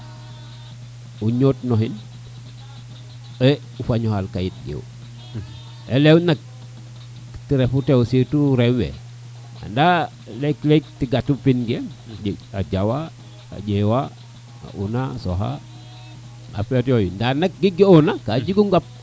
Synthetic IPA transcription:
uɲotnoɦin | e | ufaɲohalkajit̚ɡḛw | elewnak̚ | tiɾefutewsituɾewḛ | a̰nda | leklek̚tiɡatupinɡenaɟawa | a̰ɟewa | a̰ʔunasoɦa̰ | a̰fetijojindanak̚ɡiɡionakad͡ʒiɡuŋɡap̚

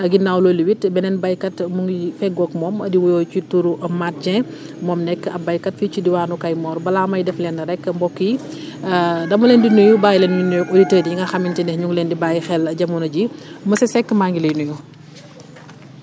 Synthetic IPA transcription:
ɐɡinːawlɔːliwitbɛnɛnbɐjkɐtmuŋifɛɡɔkmɔːmɐdiwɔjɔːt͡ʃutuɾuʔɐmat̚d͡ʒɛ̃ | mɔːmnɛkːɐbɐjkɐtfit͡ʃudiwaːnukɐjmɔːɾbɐlamɐjdɛflɛnːɐɾɛkːmbɔkːiji | dɐmulɛːndinujubaːjilɛnunɔditəːdijiŋɡɐxɐmintindɛhɲuŋɡlɛndibaːjixɛlɐɟɐmunɐɟimɐsɛsɛkːmaːŋɡilɐjnuju

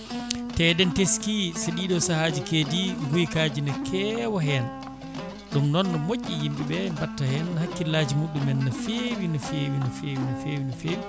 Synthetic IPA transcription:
tɛdɛnteskiseɗiːɗɔsahaːd͡ʒikeːdiɦujkaːd͡ʒinɛkʰɛwɔɦɛn | ɗumnɔnːɔmoʔːijimɓiɓɛbatːahɛnhakːilaːd͡ʒimuɗumɛnːɔfewinɔfeːwinɔfeːwinɔfeːwinɔfewi

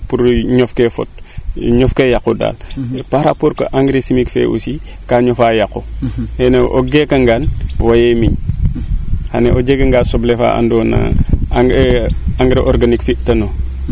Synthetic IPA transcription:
puɾɲɔfkefo̰t̚ɲɔfkejakoda̰lpaɾapoɾko̰ʔaŋɡɾesimikfḛʔṵsi | kaɲɔfajakoheneʔo̰ɡekɐŋɡaːnwajemiɲ | haneʔod͡ʒeɡɐŋɡasoblefa̰a̰ndɔna̰ | aŋɡɾeʔoɾɡanikfitɐno

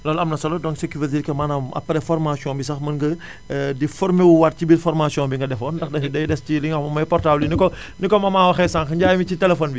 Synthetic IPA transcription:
lɔːlɐmnɐsɐlɔdɔŋsekuɾititkɐmaːnaːmɐ̰pːɾɛfɔrmasiɔ̃nbis̬ɐxmɐnɡə | difɔɾmewuwat̚cibilfɔɾmasiɔ̃nbiŋɡɐdɛfɔːndɐxdɐxidɐjdɛsciliŋɐmɐmɐjpɔrtablinikɔ | nikɔmɐmaːwɐxɛsãŋkɐɲɟaːjimicitɛlɛfɔnbi

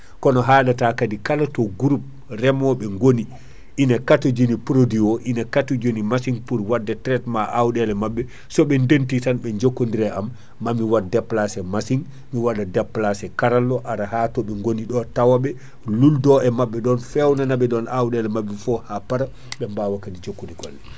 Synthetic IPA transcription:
kɔnɔɦaːɗatakadikalatɔɡuɾup̚ | rɛmɔɓɛŋɡoni | ʔinakatɔd͡ʒinipɾodiwɔʔinakatɔd͡ʒonimasiŋpuɾwadːɛtɾɛtmaʔawɗɛlɛmaɓːɛ | sɔɓɛndentitanɓɛɲd͡ʒokːondiɾɛamː | amiwadɛplasɛmasiŋ | miwadadɛpːlasɛkaɾalːɔʔaɾahatɔɓɛŋɡoniɗɔtawaɓɛ | luldɔɛmaɓːɛɗɔnfɛwnanaɓɛɗɔnawɗɛlɛmabːɛfɔhapaɾa | ɓɛmbawakadid͡ʒokːondiɡɔlːɛ

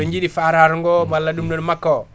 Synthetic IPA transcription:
eɲd͡ʒidifaɾaɾuŋɡomalːadumnonmakːo

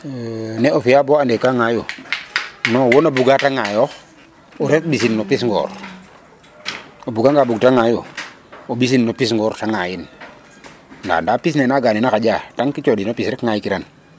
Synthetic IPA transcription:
nɛʔofijaboandekaŋaju | nɔwonabuɡataŋajɔ | uɾek̚bis̬inːopisŋɡɔ̰ːɾ | obuɡaŋɡaːbuɡtaŋaju | obis̬inːopisŋɡɔɾtaŋajin | nda̰ndapisnɛnaɡaninakaɟataŋkit͡ʃɔdinopisɾɛkŋajkiɾan

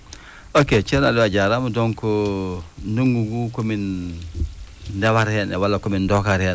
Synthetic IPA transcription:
oket͡ʃinaluaɟaɾamudɔŋko | nuŋɡuɡukomin | dawaɾhenɛwalːakomindokaɾhen

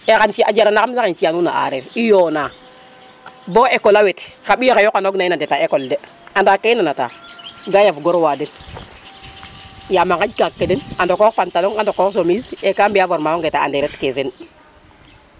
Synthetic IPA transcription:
ekant͡ʃiad͡ʒaɾanakamzakinsijanuna̰ʔa̰ɾeɾijona | boekolawetkaɓiakajokanoɡnainadetaekolde | andakːenanata̰ɡajafɡoɾwaden | jamaŋkad͡ʒkakːedenandokopantaloŋandokoksomizekambiavoɾmawoŋɡetaa̰deɾetkesen

